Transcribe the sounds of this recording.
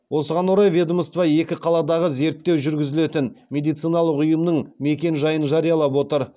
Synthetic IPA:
wo̞səʁɑnwoɾɑjvʲed̪oməst̪vɑje̞kʲɪqʰɑlˠɑd̪ɑʁəze̞ɾt̪ːe̞wʒʏɾɡʲɪzɪle̞t̪ɪnme̞d̪ijt̪sijnɑlˠəqʊjəmnəɴme̞kʲe̞nʒɑjənʒɑɾijɑlˠɑp̬wo̞t̪əɾ

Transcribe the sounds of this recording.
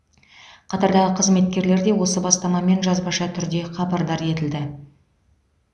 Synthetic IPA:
qʰɑt̪ɑɾd̪ɑʁəqʰəzme̞t̪kʲe̞ɾle̞ɾd̪e̞wo̞səbɑst̪ɑmɑme̞nʒɑzbɑʃɑt̪ʰʏɾd̪e̞qʰɑbɑɾd̪ɑɾje̞t̪ɪld̪ɪ

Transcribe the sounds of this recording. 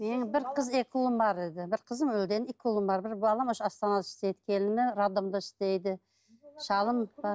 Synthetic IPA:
menbɪɾqʰəzekʲʰulˠəmbɑɾed̪ɪbɪɾqʰəzəmwɵld̪e̞nɪkʲʰulˠəmbɑɾbɪɾbɑlˠɑmoʃɑst̪ɑnɑd̪ɪ̥ʃt̪e̞jd̪ɪ̥kʲʰe̞lnɪmɪɾad̪omd̪əɪ̥ʃt̪ejd̪ɪ | ʃɑlˠəmbɑɾ

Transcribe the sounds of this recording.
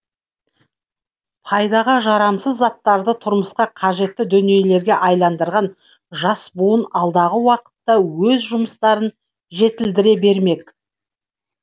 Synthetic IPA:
pʰɑjd̪ɑʁəʒɑɾɑmsəzːɑt̪ːɑɾd̪ət̪ʰʊɾməsqɑqʰɑʒe̞t̪ːɪd̪ʏnije̞le̞ɾɡʲeʔɑjlˠɑnd̪əɾʁɑn | ʒɑsbuənɑlˠd̪ɑʁəwɑqə̥t̪ːɑwɵzʒʊməst̪ɑɾən | ʒe̞t̪ɪld̪ɪɾe̞be̞ɾme̞k

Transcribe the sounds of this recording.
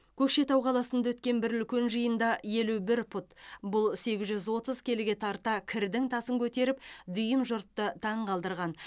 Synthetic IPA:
kʲʰɵkʃe̞t̪ɑwqʰɑlˠɑsənd̪ɑwɵt̪̚kʲe̞nbɪɾʏlkʲenʒəjənd̪ɑje̞lubɪɾpʰʊt̪bʊlˠse̞ɡʲɪzʒʏzwo̞t̪əz̥kʲʰe̞lɪɡʲe̞t̪ʰɑɾt̪ɑkʲʰɪɾd̪ɪŋt̪ʰɑsəŋkʲʰɵt̪e̞ɾɪp̚d̪ʏjəmʒʊɾt̪ːət̪ʰɑɴqʰɑlˠd̪əɾʁɑn

